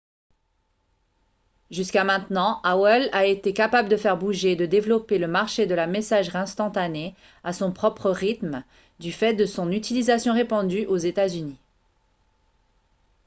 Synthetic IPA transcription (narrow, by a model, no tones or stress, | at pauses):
ʒyskamɛ̃t̪nɑ̃awɛlaet̪ekapabləd̪əfɛʁbuʒed̪əd̪evlɔpeləmaʁʃed̪əlamesaʒʁɛ̃st̪ɑ̃t̪ane | asɔ̃pχɔpχəʁit̪m | d̪yfɛt̪̚d̪əsɔ̃nyt̪ilizasjɔ̃ʁepɑ̃d̪yʔozet̪azyni